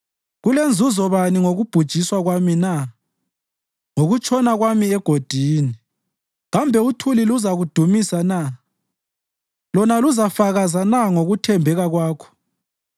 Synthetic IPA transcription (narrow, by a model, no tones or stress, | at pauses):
ɣulend͡zʱuzɔβaniŋoɣub̥ʱud̥ʒ̥ʱiswaɣwamina | ŋoɣut͡ʃʰʼɔnaɣwamiɛɡ̥ʱod̥ʱiːni | ɣambʱɛutʰuliluzaɣud̥ʱumisana | lɔnaluzafaɣazanaŋoɣutʰɛmbʱɛɣaɣwaːkʰɔ̥